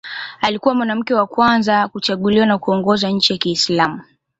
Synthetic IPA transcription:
alikuwamwanam̩kɛwakwanzakut͡ʃaɠuliwanakuɔŋɡɔzaɲ̩t͡ʃijakiːslamu

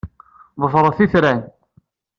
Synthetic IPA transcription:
ðˤəfɾˤəθiθɾæn

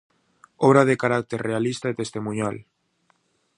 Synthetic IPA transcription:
ɔβɾaðekaɾak̚t̪eɾrealist̪aet̪est̪emũɲal

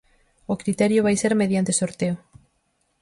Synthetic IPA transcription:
okɾit̪ɛɾjoβ̞ajseɾmeð̞jant̪esoɾt̪eo

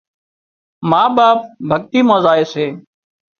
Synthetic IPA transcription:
maːɓaːp̚bʱəɠ̚t̪iːmãːzaːeːseː

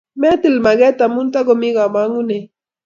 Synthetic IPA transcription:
met̪ilmaɡet̪amʊnt̪aɡomiɡamaŋune

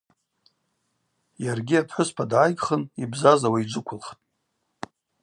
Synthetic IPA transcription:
jarɡʲiapʰħʷʊspʰadʕajɡʼχənibzazawaid͡ʒʷʊkʷʰʊlχtʼ

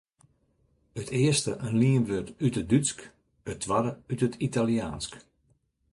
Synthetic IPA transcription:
ətʰɪəstəʔənliənʋøtytədytsk | ətʰːʋadəytətʰitaljaːnsk

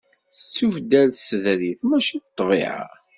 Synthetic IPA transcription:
θət͡sːuvd̪ælsðɾiθmæʃiθt̪ˤːvḭʕa̰

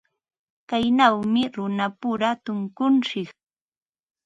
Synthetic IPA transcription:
kajnawmɪɾʊnapʊɾat̪ʊŋkʊnʃɪk

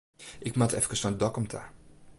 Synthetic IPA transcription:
ʔɪkmatɛ̰fkəsfandɔkɔmtʰa̰

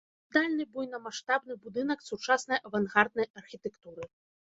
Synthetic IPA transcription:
d̪alʲnɨbujnɐmaʂt̪abnɨbud̪ɨnɐksut͡ʂasnɐjɐvanɣard̪̚nɐjɐrxʲit̪ɛkt̪uɾɨ

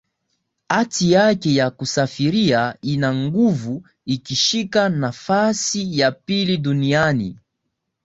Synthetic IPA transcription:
hatijakɛjakusafiɾiainaŋɡuvu | ikiʃikanafasijapiliɗunianḭ

